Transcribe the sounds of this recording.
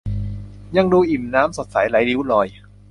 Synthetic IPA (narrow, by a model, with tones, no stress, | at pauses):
ɲa˧ŋduː˧ʔi˨˩mnaː˦˥mso˨˩t̪̚sa˩˦jla˨˩˦jli˦˥wlɔː˧j